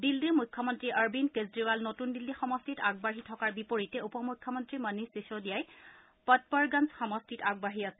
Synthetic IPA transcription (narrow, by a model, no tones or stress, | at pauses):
dildimujkʰːɔmɔntɹiʔaɹbinkezdɹiʋalnotundilːixɔmɔstitaɡ̚baɦitʰɔkaɹbipoɹitɛupɔmukʰːɔmɔntɹimanisisodijaj | pɔt̚pɔɹɡansxɔmɔstitaɡ̚baɦiasɛ